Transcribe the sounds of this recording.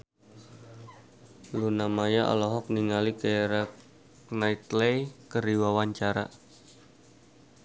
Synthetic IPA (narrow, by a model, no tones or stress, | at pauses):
lunamajaʔɔ̰lɔɦɔk̚niŋalikeɾak | nait̪lekəɾiwawaɲt͡ʃaɾa̰